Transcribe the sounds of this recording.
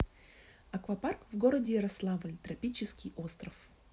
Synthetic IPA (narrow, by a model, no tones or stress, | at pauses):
ɐkvɐparkvɡoɾədʲɪɾɐslˠavɨlʲt̪ɾɐpʲit͡ɕɪskʲijʔost̪ɾəf